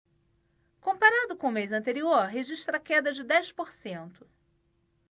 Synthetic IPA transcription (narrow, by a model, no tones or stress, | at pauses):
kõmpaɾad̪ʊkõʊmejzɐ̃nt̪eɾioɾɦeʒiʃt̪ɾɐkɛd̪ɐd͡ʒɪd̪ɛjspoɾsẽnt̪ʊ